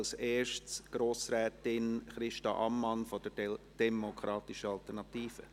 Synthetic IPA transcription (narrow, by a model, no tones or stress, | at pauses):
lseːʃtsɡ̥ɾoːsɾɛːtɪnχɾɪʃtɑʔɑmːɑnfod̥əd̥ɛmokʰɾɑːtɪʃəɑltəɾnɑt̪iːfə̰